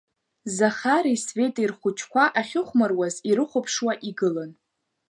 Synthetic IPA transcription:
zaχaɾisve̞tʼirχʷʊt͡ʃʰkʷaʔaχʲɪχʷmarwaziɾɨχʷʊpʰʂwaʔiɡɨlan

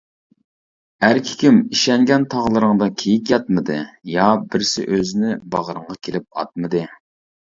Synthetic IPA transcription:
æɾkʲʰi̥kʲimiʃɛŋɡʲɛnt̪ʰɑʁlˠɨɾəŋd̪ɑkʲʰejikʲjɑt̪̚mɨd̪ɨjɑbɪɾsɪ̰ʔøzɪnɪbɑʁəɾəɴʁɑkʲʰelɪp̚ɑ̰t̪̚mɨd̪ɨ

